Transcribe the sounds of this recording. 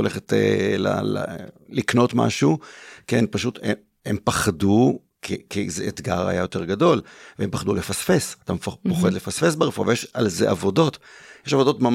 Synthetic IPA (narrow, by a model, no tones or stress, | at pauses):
oleχetḛla̰llikno̞tma̰ʃukenpaʃute | empaχadu | kʰikizeetɡa̰ʁa̰jajo̞te̞ʁɡado̞lveempaχd̪ulefasfe̞satampoχed̪le̞fasfe̞s̬beʁefua̰vejeʃalzeʔavo̞do̞tjeʃavo̞do̞tmam